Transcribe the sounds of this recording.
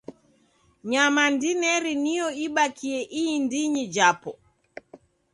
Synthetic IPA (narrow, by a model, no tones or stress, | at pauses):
ɲamandinɛɾinijɔiɓakʰiɛʔiːndiɲid͡ʒapɔ